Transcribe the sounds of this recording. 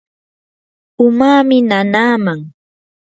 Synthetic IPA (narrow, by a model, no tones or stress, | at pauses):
ʊmaːmɪnanaːmaŋ